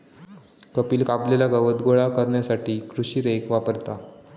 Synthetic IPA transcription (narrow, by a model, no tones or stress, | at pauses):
kəpiːlkablelaɡəʋəd̪ɡoɭakəɾɳjasaʈiːkɾuɕiːɾekʋapəɾt̪a